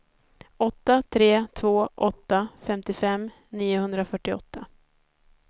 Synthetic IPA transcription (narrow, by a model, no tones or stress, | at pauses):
ɔt̪ːat̪ʰɾeːt̪ʰvoːʔɔt̪ːafɛmt̪ɪfɛm | niːʊhɵnd̪ɾafœʈːɪɔ̰t̪ːa